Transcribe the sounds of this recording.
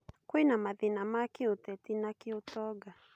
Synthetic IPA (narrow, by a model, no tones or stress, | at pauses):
kwinamaðinamakiutɛtinakiutɔɡa